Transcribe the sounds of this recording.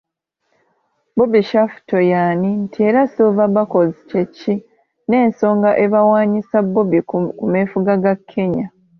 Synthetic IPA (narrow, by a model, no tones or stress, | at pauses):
bobiʃafu̥to̞jaːnintʰie̞ɾasovaβako̞zicecːi | ne̞ːnso̞ːŋɡaʔe̞βawaːɲisabːobikume̞ːfuɡaɡakʰːe̞ɲa